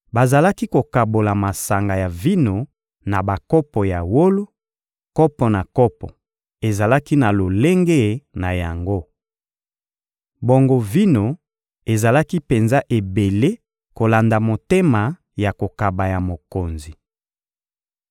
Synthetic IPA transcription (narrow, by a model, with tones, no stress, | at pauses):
ba˨za˨la˦ki˦ko˨ka˨bo˨la˨ma˨sa˨ŋɡa˨ja˨vi˦no˨ | na˨ba˨kɔ˦pɔ˨ja˨wo˦lo˦ | kɔ˦pɔ˨na˨kɔ˦pɔ̰˨ | e˨za˨la˦ki˦na˨lo˨le˦ŋɡe˦na˨ja˨ŋɡo˦ | bo˦˨ŋɡo˦vi˦no˨ | e˨za˨la˦ki˦pe˨nza˦ʔe˨be˨le˦ | ko˨la˨nda˨mo˨te˦ma˨ | ja˨ko˨ka˨ba˨ja˨mo˨ko˨nzi˨